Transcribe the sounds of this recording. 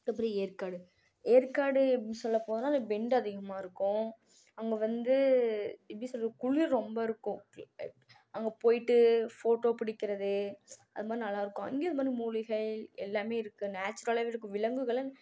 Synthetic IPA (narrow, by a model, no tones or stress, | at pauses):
ɐpːɐɾieːɾkaːɽɯ | eːɾkaːɽɯsɔlːɐpoːðɯnaːnɐbɛɳɖɐðɪɣɐmaːɪɾɯkːʊ̃ | ɐŋɡɐʋɐnd̪ɯ | ɪpːɽisɔlːkʊɭiɾɾɔmbɐɪɾɯkːʊ̃ | ɐŋɡɐpoːjɪʈːɯfoːʈːoːpɪɽɪkːɪɾɐðɯɐðɯmaːd̪ɾinɐlːaːɪɾɯkːʊ̃ɐ̰ŋɡijɐðɯmaːd̪ɾimuːlɪɣɐɭɛlːaːmeːɪɾɯkːɯnaːt͡ʃːʊɾɐlɐʋɪɾɯkːɯʋɪɭɐŋɡɯɣɐɭ